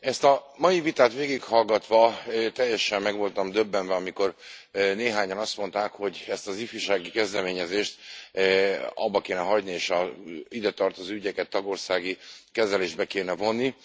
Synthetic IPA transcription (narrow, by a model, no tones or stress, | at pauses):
ɛst̪ɒmɒjivit̪aːt̪ʋeːɡikhɒlɡɒt̪ʋɒt̪ɛjːɛʃɛmːɛɡʋo̞lt̪ɒmd̪øbːɛnvɛɒmiko̞rneːɦaːɲɒnɒst̪mo̞nt̪aːkho̞ɟɛst̪ɒzifiʃaːɡikɛzd̪ɛmeːɲɛzeːʃt̪ | ɒ̰bːɒkeːnɛɦɒɟnieːʃɒid̪ɛt̪ɒrt̪ozoːyɟɛkɛt̪ːɒɡo̞rsaːɡikɛzɛleːʒd̪bɛkeːnɛvo̞nːi